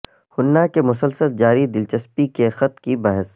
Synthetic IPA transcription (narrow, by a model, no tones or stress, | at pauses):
hʊnːakemʊsəlsəld͡ʒaːɾid̪ɪlt͡ʃəspikexɐt̪kibɐɦɪs